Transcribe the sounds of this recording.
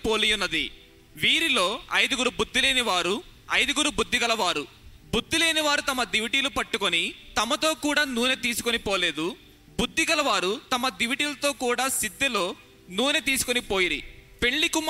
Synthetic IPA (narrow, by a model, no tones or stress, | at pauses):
poːlijunːɐd̪ḭ | ʋiːɾilo̞ːɐjd̪uɡuɾubud̪ːile̞ːniʋaːɾuɐjd̪uɡuɾubud̪ːiɡɐlɐʋaːɾu | bud̪ːile̞ːniʋaːɾut̪ɐmɐd̪iʋiʈiːlupɐʈːukonit̪ɐmɐt̪o̞ːkuːɽaːnuːnet̪̬iːsu̥konipo̞ːle̞ːd̪u | bud̪ʱːiɡɐlɐʋaːɾut̪ɐmɐd̪iʋiʈiːlɐt̪o̞ːkuːɽaːsid̪ːelo̞ː | nuːnet̪̬iːsu̥konipo̞ːjiɾḭpe̞ɳlikum